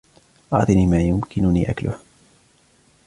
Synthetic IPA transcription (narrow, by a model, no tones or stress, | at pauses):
ʔɑʕt̪ˤiːniːmaːjʊmkɪnʊnḭːʔaklʊ̰h